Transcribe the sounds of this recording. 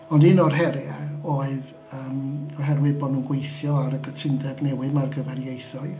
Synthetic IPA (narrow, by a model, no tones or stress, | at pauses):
ɔndɪnɔrɦɛɾjaoɨð | əːmɔɦɛrwɨðbɔːdnuːnɡwejθjɔaɾəɡətʰɪndɛbnɛwɨmarɡəvɛrjejθɔɨ